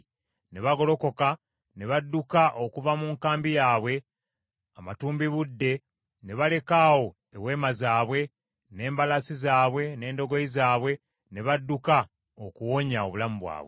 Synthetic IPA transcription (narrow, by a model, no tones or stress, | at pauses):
ne̞βaɡo̞lo̞ko̞ka | ne̞βadːukaʔo̞kuvamuːŋkaːmbijaːβwe̞ | amatuːmbiβudːe̞ | ne̞βale̞kaːwo̞ | ewe̞ːmazaːβwe̞ | ne̞ːmbalasizaːβwe̞ne̞ːndo̞ɡo̞izaːβwe̞ | ne̞βadːuka | okuwo̞ɲaoβulamuβwa̰ːβwe